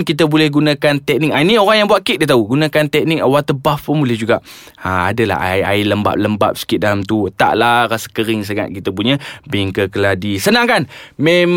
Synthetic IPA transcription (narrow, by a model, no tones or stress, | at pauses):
nkit̪əbolɛhɡunakant̪ɛk̚nɪk̚ainioɾaŋjaŋbuaʔ̚kit̪ʔ̚dit̪auɡunãkant̪ɛk̚nɪk̚awat̪əbafənmulɛhd͡ʒuɡaʔ | aa̰dəla̰haja̰iləmba̰p̚ləmba̰p̚sə̥kit̪̚dalamt̪ut̪a̰ʔlahɾasə̥kəɾɪŋs̬əŋa̰t̪̚kit̪əp̬uɲəbiŋkəkəladisənaŋkanmem